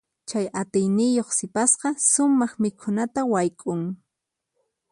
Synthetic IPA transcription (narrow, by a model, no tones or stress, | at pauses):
t͡ʃajat̪ɪjnɪjoχsɪpasqɑsʊmɑχmɪkʰʊnat̪awajkʼʊŋ